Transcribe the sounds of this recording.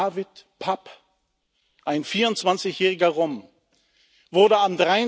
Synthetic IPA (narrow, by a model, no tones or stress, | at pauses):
aːvɪtpʰap | ʔaɪnfiːɐʊntt͡sv̥ant͡sɪçjɛːʁɪɡɐʁɔm | vʊɐdɾəamdʁaɪ